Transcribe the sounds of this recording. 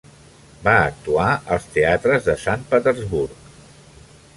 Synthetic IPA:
baək̚t̪uaəlˠst̪eat̪ɾəzðəsanpət̪ərzβuɾk

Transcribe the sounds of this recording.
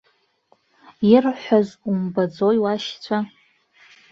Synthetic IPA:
irħʷazumbad͡zojwaʃt͡ɕʷʰa

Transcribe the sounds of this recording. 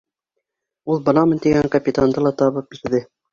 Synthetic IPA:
ulˠbɤ̆nɑmɤnt̪iɡæŋkɐpʲit̪and̪ɤlˠɑt̪ɑβɤp̚biɾðɘ

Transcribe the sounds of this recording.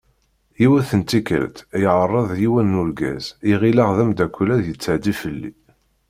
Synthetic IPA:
jiwæθənt̪ikə̰lt̪jʕərˤːəðˤjiwænːulɡæ̰ziʁilæʁðəmd̪ækʷːlæðjət͡sːəʕd̪ifəlːḭ

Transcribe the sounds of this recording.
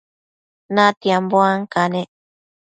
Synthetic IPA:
nat̪iamboaŋkanẽ

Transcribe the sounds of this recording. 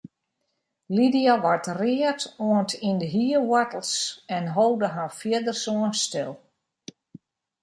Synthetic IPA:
lidiaʋartrɪːətoəntindəɦiwatəl̩ˠsɛnɦowdəɦafjiədərsoənstɪ̰lˠ

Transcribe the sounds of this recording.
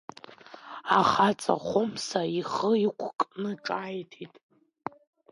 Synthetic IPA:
aχat͡sʼa̰χʷomsaiχəikʷʰkʼnɨʈ͡ʂʼajtʰitʼ

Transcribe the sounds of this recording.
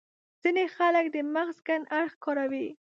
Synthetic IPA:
z̥inexalək̚d̪əmaɣzɡanʔaɾxkɔɾawi

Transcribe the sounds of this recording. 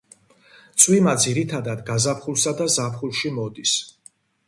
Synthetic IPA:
t̪sʼwimad̪ziɾit̪ʰad̪ad̪ɡazapʰχulˠsad̪azapʰχulˠʃimɔd̪is

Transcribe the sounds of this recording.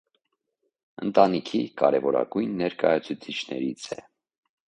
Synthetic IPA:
ənt̪ɑnikʰikɑɾɛvɔɾɑ̰ɡujnːɛɾkɑjɑt͡sʰut͡sʰit͡ʃʰnɛɾit͡sʰɛ

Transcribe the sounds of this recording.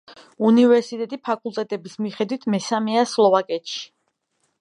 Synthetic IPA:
univɛɾsit̪ʼɛt̪ʼipʰakʼulˠt̪ʼɛt̪ʼɛbismiχɛd̪wit̪ʰmɛsamɛaslˠɔvakʼɛt̪ʃi̥

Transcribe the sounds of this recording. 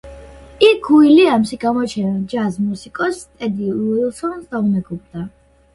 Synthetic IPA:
ikʰːuiliamʃiɡamɔt͡ʃʰɛnad͡ʒazmusikʼɔst̪ʼɛd̪iuilˠsɔnsd̪aumɛɡub̚ʼd̪a

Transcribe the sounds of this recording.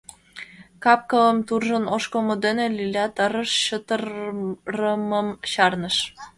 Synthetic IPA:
kɑp̚kələmt̪urʒənoʃkomod̪enelilʲɑt̪əɾəʃɕət̪əɾrəməmɕɑrnəʃ

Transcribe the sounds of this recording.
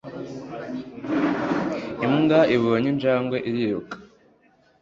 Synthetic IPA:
imɡaiβoɲind͡ʒaːŋɡweʔiɾiɾukḁ

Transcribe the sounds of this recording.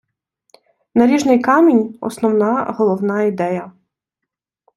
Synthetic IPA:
nɐlʲiʒnɪjkɑmʲinʲɔ̰snɔwnɑɦɔlˠɔwnɑid̪ɛjɐ

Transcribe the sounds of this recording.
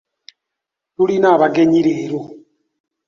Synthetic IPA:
tulinaβaɡeɲiɾeɾo

